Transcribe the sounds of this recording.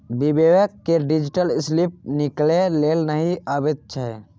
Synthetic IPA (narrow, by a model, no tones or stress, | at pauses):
bibewəkːeɖid͡ʒiʈəlɪslip̚niklelelnəɦiəbetːʃʰəɦɛ